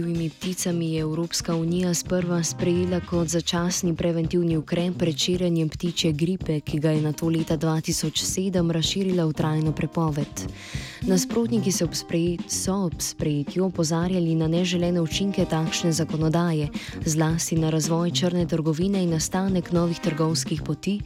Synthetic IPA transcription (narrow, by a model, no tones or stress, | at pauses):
iwimipt̪it̪samijɛɛwɾoːpskaunijaspəɾʋaspɾɛjeːlakɔt̪zat͡ʃaːsnipɾɛʋɛnt̪iwniukɾɛːpːɾɛt̪ʃeːɾjanjɛmpt̪iːt͡ʃɛɡɾiːpɛkiɡajɛnat̪oːleːt̪ad̪ʋaːt̪isɔt͡ʃseːd̪əmɾasʃiːɾilaut̪ɾʔaːjnɔpɾɛpɔːʋɛt̪ | naspɾoːt̪nikisɛsɔɔpspɾɛjeːt̪juɔpɔzaːɾjalinanɛʒɛlɛːnɛut͡ʃiŋkɛt̪aːkʃnɛzakɔnɔd̪aːjɛzlaːst̪inaɾazʋɔːjt͡ʃəɾnɛt̪əɾɡɔʋiːnɛinːast̪aːnɛknɔːʋixt̪əɾɡɔwskixpɔt̪iː